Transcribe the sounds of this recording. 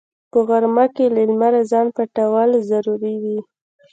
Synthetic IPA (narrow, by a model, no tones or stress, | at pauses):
pəɣaɾmakelɪlmaɾazɑnpaʈawɑlzaɾuɾiwi